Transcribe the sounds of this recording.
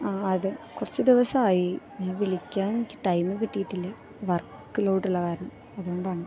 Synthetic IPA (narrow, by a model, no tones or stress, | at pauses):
aːɐðɨkurɐt͡ɕːud̪iʋɐsɐaːji | eʋiɭikʲːaːenikʲːɨ̥ʈɐjmɨkiʈːijiʈːilːɐ | ʋɐrkː | iloːʈːulːɐkaːɾɐɳɐm | ɐðuɣo̞ɳɖaːɳɨ